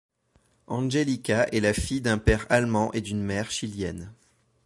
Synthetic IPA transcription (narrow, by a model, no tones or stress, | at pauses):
ɑ̃ʒelikʲaʔɛlafijd̪ɛ̃pɛʁalmɑ̃ʔed̪ynmɛʁʃiljɛn